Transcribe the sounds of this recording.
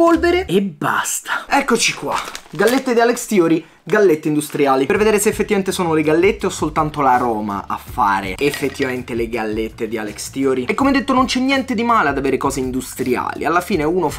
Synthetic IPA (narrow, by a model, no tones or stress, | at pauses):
polveɾeebːa̰st̪ʰḁɛkːot͡ʃikwa̰ɡalːet̪ːed̪ialekst̪jɔːɾi | ɡalːet̪ːeind̪ust̪ɾjaːliperved̪eːɾeseːfːet̪ːivament̪esoːnoleɡalːet̪ːeosːolt̪ant̪olaɾɔːma̰a̰fːa̰ːɾḛefːet̪ːivament̪eleɡalːet̪ːed̪ia̰lekst̪jɔːɾiɛkːomeɛd̪ːet̪ːonont͡ʃɛnːjɛnt̪ed̪imaːlead̪aveːɾekɔːzeind̪ust̪ɾia̰ːlḭalːafiːneuːnof